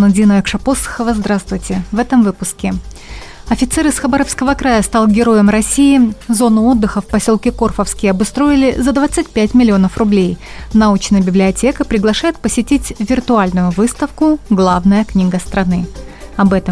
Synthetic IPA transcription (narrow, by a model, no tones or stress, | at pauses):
nʊdʲinəɪkʂɐposːɨ̥xəvəzd̪ɾast̪vʊjtʲɪvɛt̪əmvɨpʊskʲɪ | ɐfʲɪt̪sɛɾɨsxɐbaɾəfskəvəkɾajəst̪alˠɡʲɪɾo̞jəmrɐsʲiɪzo̞nʊo̞d̪ːɨxəfpɐsʲo̞lˠkʲɪko̞rfəfskʲɪjəɐbʊst̪ɾo̞ɪlʲɪzɐd̪vat̪sɨtʲpʲætʲmʲɪlʲɪo̞nəfrʊblʲejnɐut͡ɕnəjəbʲɪblʲɪɐtʲe̞kəpɾʲɪɡlˠɐʂajɪt̪̚pəsʲɪtʲitʲvʲɪrt̪ʊalʲnʊjʊvɨst̪əfkʊɡlˠavnəjəknʲiɡəst̪ɾɐnɨɐbɛt̪ə